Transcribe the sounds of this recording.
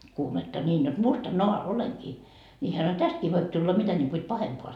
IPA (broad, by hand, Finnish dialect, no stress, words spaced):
kuːmetːɑ nʲiːn jot mustɑnːoɑ oleŋkiː ni hæ sɑno tæstkiː ʋoip tulːɑ mitæ nʲiŋku et pɑhempoɑ